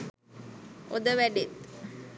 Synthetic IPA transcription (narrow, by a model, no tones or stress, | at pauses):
od̪əʋæɖet̪